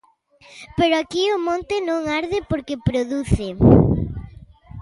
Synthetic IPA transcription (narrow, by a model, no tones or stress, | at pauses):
peɾoakiomõnt̪ɪnõŋaɾðɪpoɾkepɾoðuθɪ